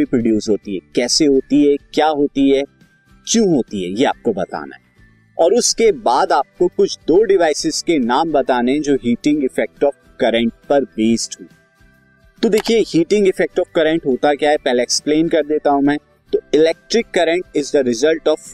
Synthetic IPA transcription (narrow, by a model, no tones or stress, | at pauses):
ipɾoɖjuːsɦoːt̪iɦɛkɛːseɦoːt̪iɦɛkjaːɦoːt̪iɦɛː | kjũːɦoːt̪iɦɛ̰jea̰ːp̚kobɐt̪a̰ːna̰ɦɛ | ɔːɾʊskebaːd̪aːp̚kokʊt͡ʃʰd̪oːɖɪʋaːɪsɪz̥kenaːmbɐt̪aːneɛd͡ʒoːɦiːʈɪ̃ŋɡɪfɛk̚ʈɔːfkɐɾɛ̃ɳʈ̚pɐɾbeːsʈɦũː | t̪od̪eːkʰiehiːʈɪ̃ŋɡɪfɛk̚ʈɔːfkɐɾə̃ɳʈɦoːt̪akjaɦɛpɛɦleːksplẽːnkɐɾd̪eːt̪aɦũmɛ̃ː | t̪oɪlɛk̚ʈɾɪkːɐɾə̃ɳʈɪzd̪əɾɪzəlʈɔːʋ